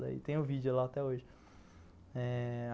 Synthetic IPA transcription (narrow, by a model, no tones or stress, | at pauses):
lɐ̰ḭt̪ẽj̃ʊvid͡ʒiʊlaːt̪ɛoʒɪ | ɛ